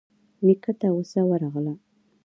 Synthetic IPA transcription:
mikat̪awəsawaɾaʁla

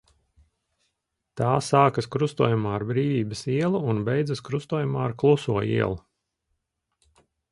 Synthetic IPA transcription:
t̪aːsaːkɐskɾust̪uɔjumaːaɾbɾiːvʲiːbəsiɛlˠuːnbejd̪zɐskɾust̪uɔjumaːaɾklˠusuɔḭɛlˠu

